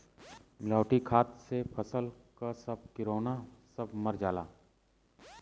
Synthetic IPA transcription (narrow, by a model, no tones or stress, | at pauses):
mɪlaːʈikʰaːt̪sepʰɐsəlkasɐb̚kɪɾoːnasɐbmɐɾd͡ʒaːla̰ː